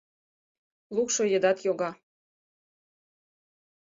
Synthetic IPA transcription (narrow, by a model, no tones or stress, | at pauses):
lukʃojə̆d̪ɑt̪joɣɑ